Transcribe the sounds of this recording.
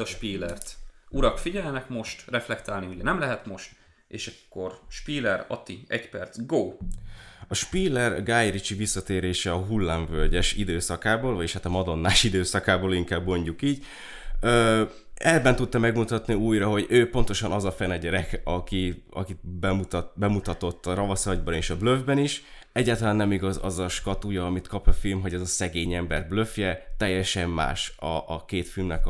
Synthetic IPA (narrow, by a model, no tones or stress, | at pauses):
ɒʃpiːlɛrt̪uɾɒkfiɟɛlnɛkmo̞ʃt̪rɛflɛkt̪aːlniuɟɛnɛmlɛɦɛt̪mo̞ʃt̪ | ḛːʃɛkːo̞rʃpiːlɛɾɒ̰t̪iɛcpɛrt̪zɡoː | ɒʃpiːlɛrɡaːjɾit͡ʃivisːɒt̪eːɾeːʃɛɒɦulːaːɱvølɟɛʃid̪øːsɒkaːboːlvɒjeʃhaːt̪ɒmɒd̪o̞nːaːʃid̪øːsɒkaːboːliŋkaːbːo̞ɲɟukiːɟ | øː | ɛbːɛnt̪ut̪ːɒmɛɡmut̪ɒt̪niuːjrɒɦo̞ɟøːpo̞nt̪o̞ʃɒnɒzɒfɛnɛɟɛɾɛkɒkiɒ̰kit̪bɛmut̪bɛmut̪ɒt̪o̞t̪ːɒɾɒvɒsɒɟbɒneːʃɒbløvbɛniʃ | ɛɟːaːt̪ɒlaːnːɛmiɡɒzɒ̰zɒʃkɒt̪ujɒːmit̪kɒpɒfilmɦo̞ɟɛzɒsɛɡeːɲɛmbɛrbløfjɛt̪ɛjːɛʃɛmːa̰ːʃɒʔːkeːt̪filmnɛk